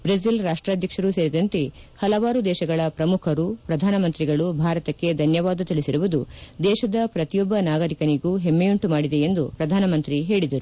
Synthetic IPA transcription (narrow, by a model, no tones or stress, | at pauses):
bɾes̬ilɾaːʂʈɾaːd̪ʱjɐkʂɐɾuse̞ːɾid̪ɐnt̪ehɐlɐʋaːɾud̪ɛːʃɐɡɐɭɐpɾɐmukʰɐɾupɾɐd̪ʱaːnɐmɐnt̪ɾiɡɐɭubʱaːɾɐt̪ɐkːe̞d̪ʱɐnjɐʋaːd̪ɐt̪iɭisiɾuʋud̪ud̪ɛːʃɐd̪ɐpɾɐt̪ijɔbːɐnaːɡɐɾikɐniɡuːɦemːejuɳʈumaːɽid̪e̞end̪upɾɐd̪ʱaːnɐmɐnt̪ɾiɦe̞ːɭid̪ɐɾu